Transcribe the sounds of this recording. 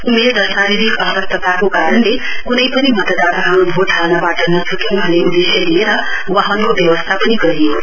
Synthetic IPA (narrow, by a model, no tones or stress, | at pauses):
umerdʌsaɾiɾikʌsʌk̚t̪ʌt̪akokaɾʌnle | kunʌjpʌnimʌt̪d̪aɾʌɦãnkoʈʰawnabaʈʌnʌt͡sʰukinuɦʌleud̪eselieɾʌ | waɦonkobjʌwʌst̪ʰapʌniɡʌɾi